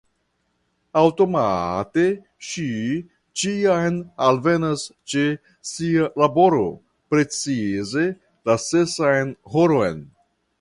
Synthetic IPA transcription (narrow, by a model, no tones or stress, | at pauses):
awto̞ma̰te̞ | ʃi | t͡ʃiajnalve̞nast͡ʃe | sialabo̞ɾo̞̰ | pɾe̞t͡size̞ | lase̞sajnhoɾo̞jn